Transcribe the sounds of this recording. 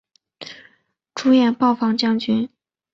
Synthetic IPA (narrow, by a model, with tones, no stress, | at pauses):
ʈ͡ʂʰu˥jɛ˥˧npɑ˥˩ʊfɑ˥ŋt͡ɕjɑ˥˩ŋt͡ɕy˧˥n